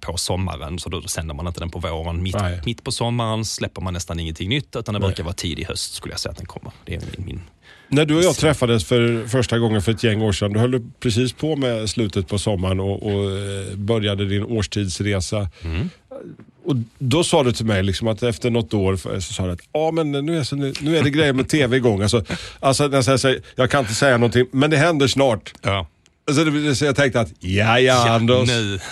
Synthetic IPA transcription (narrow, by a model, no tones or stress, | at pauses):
pʰɔsɔmːa̰ɾə̰nsɔd̪ɔsɛnd̪əɾmanɪnt̪əd̪ɛnpʰɔvoːɾənmɪmɪt̪ːpʰɔsɔmːaɾənslɛpːəɾmanːɛst̪anɪŋːənt̪ʰɪŋːnʏt̪ːʉ̟t̪and̪ɛbæɾkaɾvɑːt̪ʰḭːd̪ɪhœ̰st̪skɵləja̰sɛja̰t̪d̪ɛ̰nkʰɔ̰mːəɾd̪ɛæ̰ɾɪ̰mɪ̰n | næɖɵɔjɑt̪ʰɾɛfːad̪əsfœɾfœʂʈaɡɔŋːənfœɾɛt̪jɛŋːoːʂɛnd̪ɵhœld̪əpʰɾɛsiːspʰɔmɛslʉ̟ːt̪ət̪̚pʰɔsɔmːaɾənɔʔɔ | bœɾjad̪əd̪ɪnoːʂʈʰiːd̪sɾeːsa | ɔd̪ɔsɑːd̪ɵt̪ʰɪlmɛjlɪksɔmat̪ɛft̪əɳɔt̪ːoːɾfsɔsɑːd̪ɛat̪ɑːmɛnnʉ̟ːɛsɔnʉnʉ̟ːæɖɛɡɾɛjːəɾmɛt̪ʰeːvɛɡɔŋːalsɔalsɔnɛjas̬ɛjsajɑːkʰanɪnt̪ːəsɛjːanɔnt̪ʰɪŋmɛnd̪ɛɦɛnd̪əʂnɑːʈ | als̬ɔd̪ɛɛsɔjɑt̪ʰɛŋk̚t̪əat̪jajaand̪ə